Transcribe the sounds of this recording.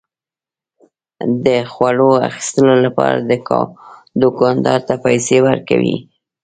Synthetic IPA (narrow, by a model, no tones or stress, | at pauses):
d̪əxwaɽoa̰xi̥st̪əlolapɑɾa̰d̪ək | d̪ʊkɑnd̪ɑɾt̪apajsewaɾka̰wḭ